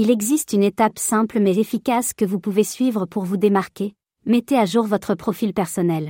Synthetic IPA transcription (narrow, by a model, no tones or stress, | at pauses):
ilɛɡzist̪ynet̪apsɛ̃plmɛzefikʲaskəvupuvesɥivʁəpʰuʁvud̪emaʁkʲe | mɛt̪eaʒuʁvɔt̪χəpχɔfilpɛʁsɔnɛl